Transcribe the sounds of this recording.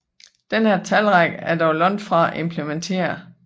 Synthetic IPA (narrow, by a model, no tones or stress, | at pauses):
d̥enhæɐt͡sʰælʁaɡ̥æɐd̥ɒʊlɒ̽n̰d̥fʁɑ̈æʔe̝mpʰlement͡sʰe̝̰ːɐ